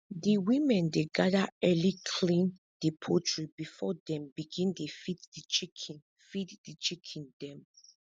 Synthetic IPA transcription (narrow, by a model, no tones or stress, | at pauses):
diwĩmɛ̃ndeɡadaɛlikʰlĩn | dipʰotɹibifɔdɛ̃mbiɡĩndefitdit͡ʃik | fitdit͡ʃikʰĩndɛ̃m